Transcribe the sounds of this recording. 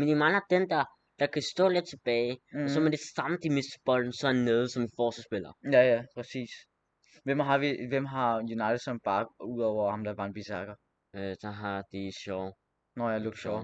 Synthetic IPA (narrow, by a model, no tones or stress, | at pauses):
menimɑ̈ŋnæd̥end̥ä | d̥ɑ̈kʰæsd̥ɔ̰ːled̥̚t͡sʰeb̥ɛːɪɔsɒ̽med̥esäməd̥imesd̥b̥ɒl̰n̩sɒ̽nːeðˠsɒ̽mifɒːsəsb̥elɐjæjæpʰʁɛsḭːs | ʋem̰ɦɑʋiʋemɦɑ̈junäɪd̥ədˠsɒnb̥ɑ̈ɡ̥uð̰ˠɒʊɐhɑ̈md̥ɑ̈ʋɑ̈enb̥isɑɡ̥ɐ | sɑɦɑd̥iɕɔʊ | nɔjæloɡ̥̚ɕɔʊ̰